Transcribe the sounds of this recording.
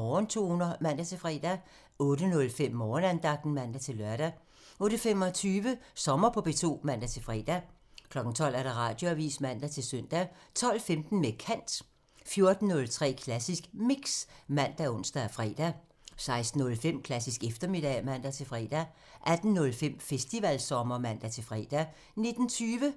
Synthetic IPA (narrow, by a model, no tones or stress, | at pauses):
ɒːnt͡sʰo̝̰ːhunɐmæn̰d̥æt͡sʰe̝fʁɛ̰ːd̥æ | ɔ̽ːɾənɔ̽lfem̰ːɒːnænd̥ɑ̈ɡ̥̚d̥n̩mæn̰d̥æt͡sʰe̝lɶɐɾ̥æ | ɔ̽ːɾ̥əfemɒ̽t͡sʰyːʋəsɒ̽mɐpʰɒ̽b̥e̝t͡sʰo̝̰ːmæn̰d̥æt͡sʰe̝fʁɛ̰ːd̥æ | kʰlɒ̽ɡ̥n̩t͡sʰɒ̽l̰æɐɾ̥ɑ̈ʁɑ̰̈ːd̥jo̝æʋḭːsmæn̰d̥æt͡sʰe̝lsœn̰d̥æt͡sʰɒ̽l̰femd̥n̩mekʰæn̰d̥ | fjo̝ɐd̥n̩ːɔ̽lt͡sʰʁɛ̰ːkʰlæsisɡ̥miɡ̥smæn̰d̥æɔ̽n̰sd̥æfʁɛ̰ːd̥æ | sɑ̈ɪsd̥n̩ɔ̽lfem̰kʰlæsisɡ̥efd̥ɐme̝d̥ɛmæn̰d̥æt͡sʰe̝fʁɛ̰ːd̥æ | ʔæd̥n̩ːɔ̽lfem̰fesd̥iʋælsɒ̽mɐmæn̰d̥æt͡sʰe̝fʁɛ̰ːd̥æ | ne̝d̥n̩t͡sʰyːʋə